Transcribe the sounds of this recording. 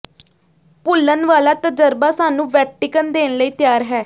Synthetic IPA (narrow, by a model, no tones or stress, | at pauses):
pʊlːənʋaːlaːt̪əd͡ʒəɾbaːsaːnũːʋɛːʈɪkənd̪eːnləiːt̪ɪjaːɾɦɛː